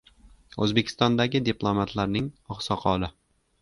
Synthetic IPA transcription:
ɵ̰zbekʲʰɪ̥st̪ɒnd̪aɡʲɪd̪ɪplˠomat̪ʰlaɾnɪŋɒχsɒqʰɒlɪ

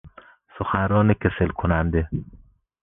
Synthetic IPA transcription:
soxænɾɒːnekʰeselkʰonænd̪e

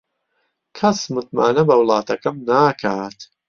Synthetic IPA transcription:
kʰɐsmʊt̪ma̰ːnɐbɐwlˠɑːt̪ɐkɐmnaːkʰaːt̪

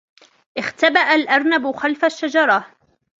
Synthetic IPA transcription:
ʔɪxt̪abaʔalʔɑɾˤnabʊxalfaʃːad͡ʒɑɾˤɑ

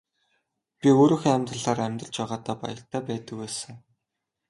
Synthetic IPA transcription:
pʲioːɾoːxiæmʲt̪rə̆ɮaːɾæmʲt̪ə̆ɮt͡ɕpæːʁaːt̪aːpa̰jə̆χt̪ʰæːpæːt̪ə̆kwæːsə̆ŋ

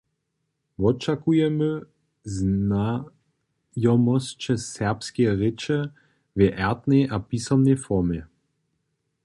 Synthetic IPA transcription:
vɔt͡ʃakujɛmə | zna | jɔmɔst͡ʃɛssɛʁpskɛjʁɪt͡ʃɛ | vɛʔɛʁt̪nɛjʔapiːsɔmnɛjfɔmɛ

